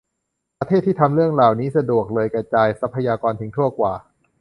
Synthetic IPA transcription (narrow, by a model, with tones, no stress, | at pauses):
pɾa˧t̪ʰeː˥˩t̪ʰːiː˥˩t̪ʰa˧mɾɯ˥˩əŋɾaː˨˩wniː˦˥sa˧du˨˩ək̚lɤː˧jkɾa˧t͡ɕaː˧jsa˦˥pʰːa˧jaː˧kɔː˧nt̪ʰɯ˧˦ŋt̪ʰu˥˩ɐkwaː˨˩